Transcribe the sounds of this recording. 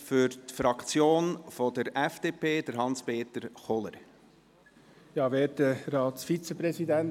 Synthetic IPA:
fʏɾt̪fɾɑkt͡sjoːnfɔdəɾɛfd̥eːpʰeːd̪əɾɦɑnspeːt̪əɾχɔlə̰ɾ | jɑːʋeːtəɾɑːtsfit͡səpɾɛsidɛn

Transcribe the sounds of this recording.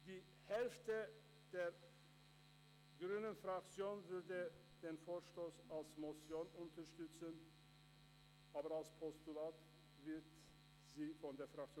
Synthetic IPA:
d̥iː | hɛlftə | d̥eːɐ | ɡʁyːnənfʁ̥akt͡sjoːnvʏɐdə | d̥eːnfoːɐʃtoːsalsmɔsjoːnʊntʰɐʃtʏt͡sən | ʔaːbɐalspʰɔstulaːt | vɪɐt | z̥iːfɔndeːɐfʁak̚t͡sjo

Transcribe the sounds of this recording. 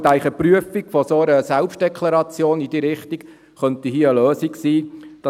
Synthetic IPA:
t̪æɪlɪχəpryəfiɡfɔsoəɾəsɛlpʃt̚d̥ɛkʰlɑɾɑt͡sjoːnid̥iːɾɪχt̪ik | χœnt̪iɦiəəløːsiksiːd̥ɑ

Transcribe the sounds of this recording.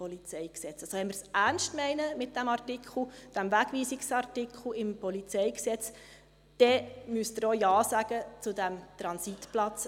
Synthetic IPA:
ɔlit͡sɛjksɛt͡sɑsoʋɛnmərsʔærnstmɛɪnəmɪt̚d̥æmɑrtikχl̩d̥æmʋæɡ̥ʋiːsiksɑrtikχl̩ɪmpɔlit͡sɛɪksɛt͡s | d̥ɛmyəst̪əɾojɑːsæɡ̥ət͡sʊdæmt̪ɾɑnsitplɑt͡s

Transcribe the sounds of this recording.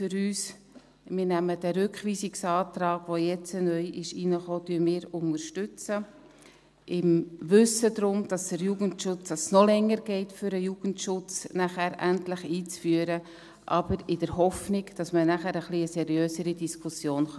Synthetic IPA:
fʏɾyːs | mɪːɾnæməd̥æɾʏkχʋiːsiksɑːt̪rɑːɡ̥ʋojɛt͡sənœjʔɪʃinəχoːtyːmɪːɾʊŋəɾʃtʏt͡sə | ɪmʋʏsədɾʊmd̥ɑsd̥əɾjuːɡəntʃʊt͡sd̥ɑssnɔlɛŋːəɾɡ̥ɛɪtfʏɾəjuːɡ̥əntʃʊt͡snæχæːɾʔæntlɪχiːt͡sfyːəɾə | ʔɑb̥əɾɪd̥əɾɦɔfnɪɡd̥ɑsmənæχæɾəχliəsɛɾjøːsəɾidiskʰusjoːnχ

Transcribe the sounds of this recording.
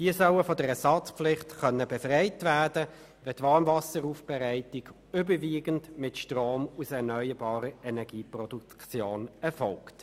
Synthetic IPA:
d̥iəsœwəfɔdəʁɛsɑt͡spflɪχtχœnːəbɛfʁɛɪtvædə | vɛtvɑːnvɑsəɾuːfb̥ɛʁæɪtɪɡ | ʏbəviːɡəndmɪtʃtʁoːmusɛnœʏəbɑːɾəɛnɛɡ̥iːpʁrɔdukt͡sjoːnɛfɔlkt

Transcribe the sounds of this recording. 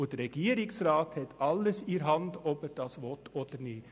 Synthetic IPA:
ʊd̥əɾɛɡ̥iːəɾɪksɾɑːthɛtɑlːəsiɾɦɑndɔbɛɾd̥ɑsʋɔtoːd̥əni

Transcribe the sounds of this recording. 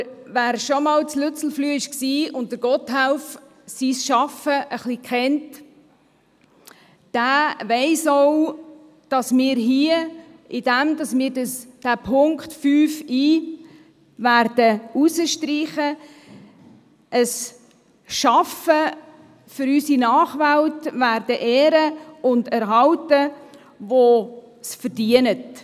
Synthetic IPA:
ʋæːɾʃɔmɑlslʉt͡sl̩flyːɪʃksiːʊnt̚əɾɡ̥ɔtɦaʊf | sisʃɑfəʔəχlikʰɛnt | d̥æːʋɛɪsɔw | d̥ɑsmɪːɾɦiə | ɪd̥æmdɑsmɪːɾdəsd̥æːpʰʊŋktfyːfiː | væːrd̥əusəʃtɾiːχə | əs | ʃɑfə | fʏɾysinɑːχʋæltvæːɾdəʔeːɾəʊndæɾɦɑltə | vo | sfəɾd̥iənət

